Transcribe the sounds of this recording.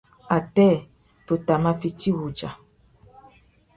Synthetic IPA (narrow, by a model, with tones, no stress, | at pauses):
a˨tɛ˦˨ | to˨ta˨mã˦fi˨t͡ʃi˦wu˨d͡ʒa˨